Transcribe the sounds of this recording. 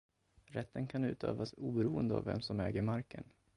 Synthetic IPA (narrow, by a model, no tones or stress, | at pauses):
ɾɛt̪ːənkʰanʉ̟ːt̪ʰøːvasuːbɛɾuːənd̪əa̰vːɛ̰msɔmɛːɡəɾmaɾkə̰n